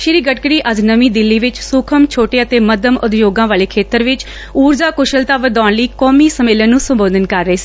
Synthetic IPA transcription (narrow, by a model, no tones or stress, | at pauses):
ʃɪɾiːɡəʈ̚kəɽiːʔəd͡ʒnəʋiːd̪ɪlːiːʋɪt͡ʃsʊkʰəmt͡ʃʰoːʈeːət̪eːməd̪əmʔʊd̪joːɡãːʋaːleːkʰeːt̪əɾʋɪt͡ʃ | uːɾd͡ʒaːkʊʃəlt̪aːʋəd̪aːnləiːkɔːmiːsəmeːlənːũːsəmboːd̪ənkəɾːəeːsiː